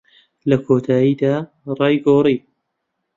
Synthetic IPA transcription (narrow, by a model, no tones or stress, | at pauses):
lɐkʰoːt̪ʰaːjiːd̪aː | rˤɑːjɡoːriː